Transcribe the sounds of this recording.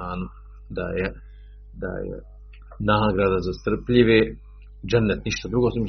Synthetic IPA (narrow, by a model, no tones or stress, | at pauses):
aːnu | d̪a̰jɛ | d̪a̰jḛ | naɦaɡɾaːd̪azast̪r̩pʎiʋe | d͡ʒɛnːɛt̪niʃt̪ad̪ɾuɡosom